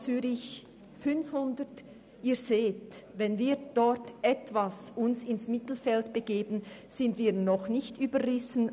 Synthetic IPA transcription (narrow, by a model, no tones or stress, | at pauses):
t͡syːɾɪç | fʏnfhʊndət | iːzeːtvɛnviːd̥ɔɹtʔɛtv̥asʊnsɪnsmɪtl̩fɛltb̥əɡ̥eːbn̩z̥ɪntviːnɔχnɪçtyːbəʁɪsn̩